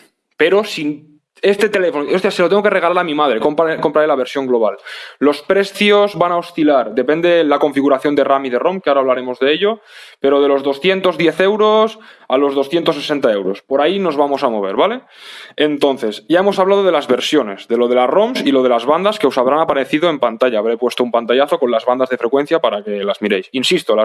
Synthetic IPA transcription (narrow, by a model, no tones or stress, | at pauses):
pe̞ɾo̞sin | e̞st̪et̪e̞le̞fonoost̪iase̞loeŋɡoke̞re̞ɣ̞alaɾamĩmaðɾekompkompɾalelaβ̞e̞ɾsjo̞ŋɡloβ̞alːo̞spɾe̞sθjo̞zβanaost̪ilaɾd̪e̞pe̞nd̪elako̞ɱfiɣuɾaθjo̞nd̪eramiðe̞ro̞mkeaoɾaβlaɾe̞mo̞zðe̞eʎope̞ɾo̞ð̞e̞lo̞zðo̞sθje̞nt̪o̞zðje̞θe̞wɾo̞salo̞zð̞o̞sθje̞nt̪osːese̞nt̪ae̞wɾo̞spo̞ɾaino̞zβamo̞samo̞β̞e̞ɾβale̞ | ent̪o̞nθe̞sɟ͡ʝae̞mosaβlað̞oðe̞lazβe̞ɾsjo̞ne̞zðe̞lo̞ð̞e̞laromsilo̞ð̞e̞lazβand̪askeo̞saβ̞ɾanapaɾe̞θiðoe̞mpant̪aʎaːβɾejpwest̪oumpant̪aʎaθo̞ko̞nlazβand̪azðe̞fɾekwe̞n̟θjapaɾake̞lazmiɾejsinsist̪ola